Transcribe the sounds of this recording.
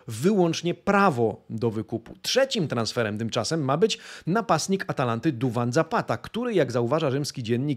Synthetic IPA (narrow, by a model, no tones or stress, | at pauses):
vɘwɔ̃nt͡ʂɲɛpɾavɔd̪ɔvɘkuputʂɛt͡ɕimt̪ɾansfɛɾɛmt̪ɘmt͡ʂasɛmːabɘt͡ɕnapast̪ɲikat̪alant̪ɘd̪uvand̪zapat̪akt̪uɾɘjaɡzauvaʐaʐɘmskʲid͡ʑɛnɲik